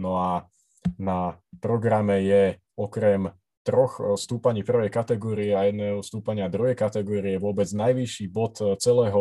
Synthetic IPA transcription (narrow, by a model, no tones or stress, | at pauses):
nɔa | napɾɔɡɾamɛjɛ | ɔkɾɛm | t̪ɾɔxst̪uːpaɲiːpr̩ʋɛjkat̪ɛɡɔːɾiɛajɛd̪nɛːɦɔst̪uːpaɲɪad̪ɾuɦɛjkat̪ɛɡɔːɾiɛʋʊɔbɛd͡znajʋiʃiːbɔt̪t͡sɛlɛːɦɔ